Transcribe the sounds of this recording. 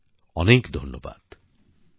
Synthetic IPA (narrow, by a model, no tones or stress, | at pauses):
ɔnekd̪ʱɔnjɔba̰d̪̥